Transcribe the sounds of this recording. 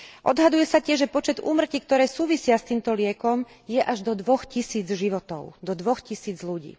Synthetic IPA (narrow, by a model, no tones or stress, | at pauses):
ʔɔd̪ɦad̪ujɛsacɪɛʒʒɛpɔt͡ʃɛd̪ṵːmr̩cik̚t̪ɔɾɛːsuːʋisɪast̪iːmt̪ɔlɪɛkɔm | jɛʔaʒd̪ɔd̪ʋɔxcisiːd͡zʒiʋɔt̪ɔ̰ʊd̪ɔd̪ʋɔxcisiːd͡zluɟḭː